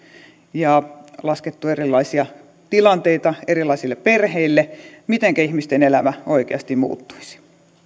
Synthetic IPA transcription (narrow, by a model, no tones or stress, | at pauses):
jɑlɑsket̪ːuerilːˑɑisiɑ | t̪ilɑnt̪eit̪ɑerilˑɑisilːeperheilːemit̪eŋkæihmist̪enelæmæoikḛɑst̪imṵːt̪ːu̥isi̥